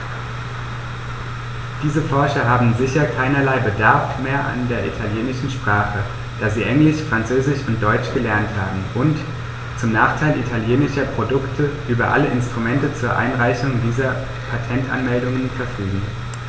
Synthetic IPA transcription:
d̥iːzəfɔɐʃɐɦaːbm̩zɪçɐkʰaɪnɐlaɪbədaɐfmeːɐʔa̰ndeːɐʔḭtʰaljeːnɪʃn̩ʃpʁ̥aːχə | d̥aːziːʔɛŋlɪʃfʁ̥ant͡søːzɪʃʊnt̚d̥ɔʏt͡ʃɡ̥əlɛɐnthaːbm̩ʔʊnt | t͡sʊmnaːχtʰaɪlʔitʰaljeːnɪʃɐpʁ̥odʊktʰəʔyːbɐʔa̰ləʔɪnstʁ̥umɛntət͡suːɐʔa̰ɪnʁaɪçʊŋdiːzɐ | pʰatʰɛntʔa̰nmɛldʊŋənfɛɐfyːɡŋ̩

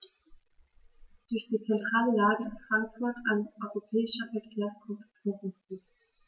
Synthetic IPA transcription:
d̥ʊɐçd̥iːt͡sɛntʁ̥aːləlaːɡəɪstfʁ̥aŋkfʊɐtʰaɪnʔɔʏʁopʰɛːɪʃɐfɛɐkʰeːɐskʁʊpfoːɐvuː

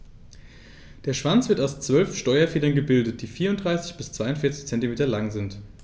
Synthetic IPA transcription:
d̥eːɐʃv̥ant͡sv̥ɪɐtaʊst͡sv̥œlfʃtɔʏɐfeːdɐnɡəbɪldət̚d̥iːfiːɐʊntdʁaɪsɪ̥çb̥ɪst͡sv̥aɪʊntfɪɐt͡sɪçt͡sɛntimeːtɐlaŋzɪnt

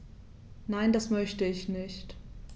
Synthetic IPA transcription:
naɪndasmœçtəɪçnɪçt

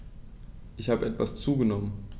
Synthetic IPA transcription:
ʔɪçhaːbəʔɛtv̥ast͡suːɡənɔmən

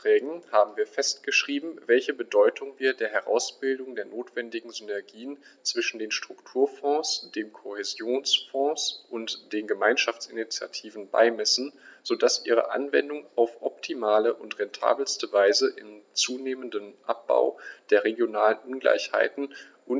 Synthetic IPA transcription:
ʁ̥ɛːɡŋ̩haːbm̩viːɐfɛst̚ɡ̥əʃʁ̥iːbm̩vɛlçəbədɔʏtʰʊŋviːɐdeːɐɦɛʁa̰ʊsb̥ɪldʊŋdeːɐnoːtv̥ɛndɪɡŋ̩zynɛɐɡiːənt͡sv̥ɪʃn̩deːnʃtʁ̥ʊktʰuːɐfɔ̃ːsd̥eːmkʰohezjoːnsfɔ̃ːsʔʊntd̥eːnɡəmaɪnʃaft͡sɪnit͡sja̰tʰiːvn̩ba̰ɪmɛsn̩z̥odasʔiːʁ̞ə̰ʔa̰nvɛ̰ndʊŋaʊfʔɔp̚tʰimaːləʔʊntʁ̥ɛntʰa̰ːbl̩stəvaɪzəʔɪmt͡suːneːməndənʔa̰p̚b̥a̰ʊd̥eːɐʁeɡjonaːlənʔʊnɡla̰ɪçha̰ɪtn̩ | ʔʊ

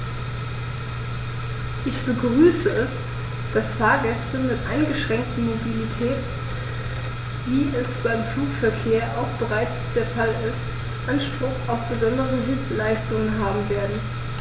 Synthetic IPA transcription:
ʔɪçb̥əɡʁyːsəɛs | d̥asfaːɐɡɛstəmɪtʔaɪnɡəʃʁ̥ɛŋk̚tn̩mobilitʰɛːt | viːʔɛsb̥aɪmfluːkfɛɐkʰeːɐʔa̰ʊxb̥əʁaɪt͡sd̥eːɐfalɪst | ʔanʃpʁ̥ʊxaʊfb̥əzɔndəʁəɦɪlplaɪstʊŋənɦaːbm̩veːɐdn̩

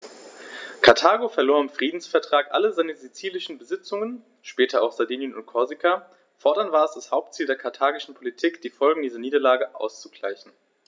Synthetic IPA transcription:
kʰaɐtʰaːɡofɛɐloːɐɪmfʁ̥iːdn̩sfɛɐtʁ̥aːkʔa̰ləzaɪnəzit͡siːlɪʃn̩bəzɪt͡sʊŋən | ʃpɛːtʰɐa̰ʊxz̥adiːnjənʊ̰nt̚kʰɔɐzikʰa | fɔɐdɐntv̥aːɐɛsd̥ashaʊp̚tt͡siːldeːɐkʰaɐtʰaːɡɪʃn̩pʰolitʰiːkd̥iːfɔlɡŋ̩diːzɐniːdɐlaːɡəʔa̰ʊst͡suɡ̥la̰ɪçn̩

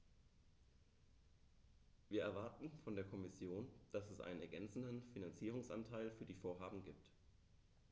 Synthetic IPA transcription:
viːɐʔɛɐvaɐtn̩fɔndeːɐkʰɔmɪsjoːnd̥asɛsʔa̰ɪnənɛɐɡɛnt͡sn̩dənfinant͡siːʁ̞ʊŋsʔa̰ntʰaɪlfyːɐdiːfoːɐɦaːbm̩ɡiːp̚t

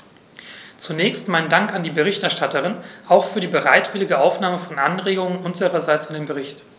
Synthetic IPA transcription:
t͡sunɛːçstmaɪnəndaŋkandiːbəʁ̞ɪçtɛɐʃtatəʁ̞ɪnʔaʊxfyːɐdiːbəʁaɪtv̥ɪlɪɡəʔaʊfnaːməfɔnʔanʁeːɡʊŋənʔʊnzəʁɐzaɪt͡sɪndeːnbəʁɪçt

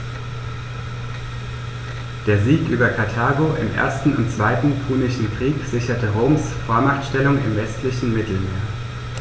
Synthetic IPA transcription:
d̥eːɐziːkʔyːbɐkʰaɐtʰaːɡoʔɪ̰mʔḛːɐstn̩ʊ̰ntt͡sv̥aɪtn̩pʰuːnɪʃn̩kʁ̥iːkz̥ɪçɐtəʁoːmsfoːɐmaχtʃtɛlʊŋɪ̰mvɛstlɪçn̩mɪtl̩meːɐ

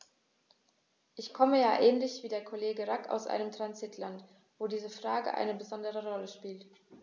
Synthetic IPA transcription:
ʔɪçkʰɔməjaːʔɛːnlɪçv̥iːdeːɐkʰoleːɡəʁaka̰ʊsʔa̰ɪnəmtʁ̥ansɪtʰlant | v̥oːdiːzəfʁ̥aːɡə̰ʔa̰ɪnəbəzɔndəʁəʁɔləʃpiːlt

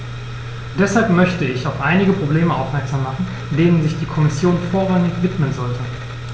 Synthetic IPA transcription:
d̥ɛshalpmœçtəɪçaʊfʔaɪnɪɡəpʁ̥obleːməʔaʊfmɛɐkz̥aːmːaχn̩ | deːnənzɪçd̥iːkʰɔmɪsjoːnfoːɐʁaŋɪçv̥ɪtmənzɔltʰə

